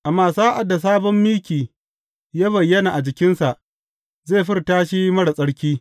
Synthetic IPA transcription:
ʔa˨mːaː˨saː˦ʔa˨dːa˨s̬aː˦bɔ˦mːiː˦kʲiː˨ | jaː˦βɐ˨jːɐ˦na˨ʔa˨d͡ʒɪ˨kʲɪ˦nsa˨ʔ | zeː˦˨ɸɪ˦rtaː˦ʃi˦mɐ˦ɽa˨sʼɐ˦ɽkʲiː˦

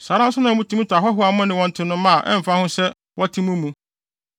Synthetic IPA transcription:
sa˨˦ɾã˦n̩˦sʊ˦nã˨˦mũ˦tʰi˦mũ˦tʰa˨ɦɔ˦ɦʊ˦a˨˦mʊ̃˦nɪ̃˨wɔ̃˦n̩˨tʰɪ˨˦nʊ̃˦mã˦˨ʔɛ̰̃˦m̩˨fa˦hʊ̃˦sɛ˦ | wʔɔ˦tʰĩ˦mũ˦mũ˨

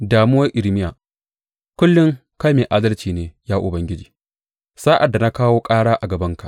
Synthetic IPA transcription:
daː˨mʊ˦wɐ˦rʔɪ˨lmɪ˦jaː˨ | kʷʊ˦lːʊ˦ŋka˦jmeː˨ʔaː˦dɐ˦lt͡ʃiː˨neː˨jaː˦ʔʊ˨bɐ˦ŋɡʲɪ˦d͡ʒiː˨ | saː˦ʔa˨dːa˨na˦kaː˦woː˦kʼaː˦ɽaː˦ʔa˨ɡɐ˨bɐ˦ŋka˨ʔ

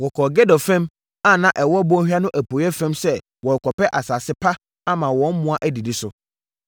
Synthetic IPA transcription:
wɔ˨kʰɔː˨ɡɛ˦dɔ˨fɛ̃˦m | a˦nã˦ʔɛ˨wɔ˦bɔ̃˦hᶣɥa˦nʊ̃˦ʔæ˨pʰo˨˦ɛ˦fɛ̃˦msɛ˦ | wɔ˨kʰɔ˨pɛ˦ʔa˨saː˨sɪ˦pʰa˦ | a˦mã˨wɔ̃˨˦n̩˦mʊ̃˦a˦ʔæ˦di˨dɪ˨sʊ˨

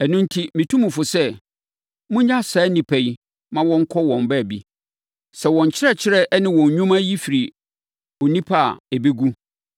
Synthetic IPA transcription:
ɛ˨nʊ̃˦n̩˦tʰi˦mĩ˨tʰũ˦mũ˨fʊ˨sɛ˦ | mũʊ̃˦ɲã˦saː˨˦nĩ˨pʰɛ˨i˨ | mã˦wɔ̃˦ŋ̩˦kʰɔ˦wɔ̃˨mbɛ˦˨bḭ˦ | sɛ˨wɔ̃˨ɲ˨t͡ɕʰɪ˦ɾɛ˦t͡ɕʰɪ˦ɾɛ˦ʔnɪ̃˦wɔ̃˨ɲ˨ɲᶣũ˦mã˦ji˦fi˨ɾi˨ | ɔ˨nĩ˦pʰa˦˨e˨be˦ɡu˦

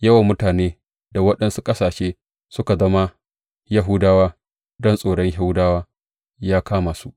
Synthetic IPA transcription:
jɐ˦wa˨mːʊ˦taː˨neː˦ | da˨wɐ˦ɗɐ˦nsu˦kʼɐ˦saː˨ʃeː˦ | sʊ˦ka˨zɐ˦ma˦ | ja˦ɦʊ˦daː˦waː˦ | dɔ˦nsʼoː˨ɽɔ˦ɲɦa˦wdaː˦waː˦ | jaː˦kaː˦ma˨su˦ʔ

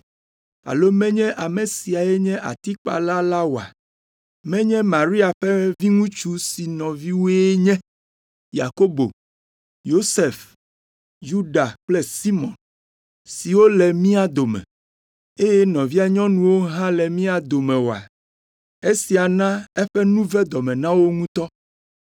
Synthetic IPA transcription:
a̰˨lo˦mɛ̃˦ɲɛ̃˦ʔa˨mẽ˨si˨a˨ɛ˦ɲɛ̃˦ʔa̰˨t̪i˦k͡pa̰˨la˦la˦wo˨a̰˨ | mɛ̃˦ɲɛ̃˦mã˨ɾi˦a˨ɸɛ˦vi˦ŋũ˦t͡ʃu˦si˨nɔ̃˨vi˦wo˦e˦ɲɛ̃˦ | ja̰˨ko˦bo̰˨ | jo˦se˨f | ju˦ɖa˨k͡plɛ˦si˦mɔ̰̃˨n | si˨wo˦lɛ˨mĩ˦a˨d̪o˨mɛ̰̃˨ | e˦jɛ˦nɔ̃˨vi˦a˨ɲɔ̃˦nũ˨wo˦ɦã˦lɛ˨mĩ˦a˨d̪o˨mɛ̃˨wo˨a̰˨ | e˦si˨a˨nã˦ɛ˦ɸɛ˦nũ˦vɛ˦d̪ɔ˨mɛ̃˨nã˦wo˦ŋũ˦t̪ɔ˦

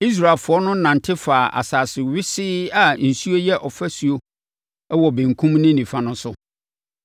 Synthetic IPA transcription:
i˦s̬ɾa˨lfʊ˨ɔ˦nʊ̃˦nã˨ntʰɪ˦faː˨ʔa̰˨saː˨sɪ˨ɥɪ˦sɪ˦a˨n̩˨su˦o˦jɛ˦ʔɔ˨fæ˦su˨o˦ | ɛ˦wɔ˨bẽ˨ŋ˨kʰũ˦mnɪ̃˦nĩ˨fã˨nʊ̃˦sʊ˦

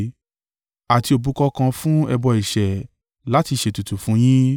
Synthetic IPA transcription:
a˨ti˧˦o˨bu˨˦kɔ˦kã˧fũ˦ɛ˧bɔ˧i˨ʃɛ˨ | la˦ti˧ʃe˧˨tu˨tu˨fũ˨˦j̃ĩ˦

